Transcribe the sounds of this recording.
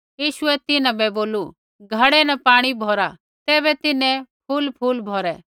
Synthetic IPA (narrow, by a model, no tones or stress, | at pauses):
jiːʃʊɛt̪ɪnãbɛboːlu | ɡʱɐɽɛnɐpaːɽ̃ibʱoːɾa | t̪ɛːbɛt̪ɪnɛ̃pʰulpʰuːlbʱoːɾɛ